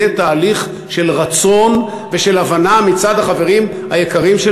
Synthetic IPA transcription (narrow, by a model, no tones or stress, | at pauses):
et̪aːliχ | ʃe̞lʁat͡so̞n | veʃe̞lavanamit͡sad̪haχave̞ʁim | hajekaʁimʃe